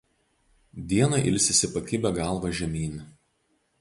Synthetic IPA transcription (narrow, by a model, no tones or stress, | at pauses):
d̪ʲiɛnɐʔɪlʲsʲɪsʲɪpɐkʲɪbʲɛɡɑˑlˠˑʋɐʒʲɛmʲiːnʲɪ